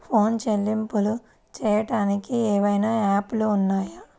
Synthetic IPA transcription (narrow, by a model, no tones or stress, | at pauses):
pʰo̞ːnt͡ʃelːimpulu | t͡ʃɛːjɐʈaːnikiɛːʋɐjnaːaːpluːnːaːjɐ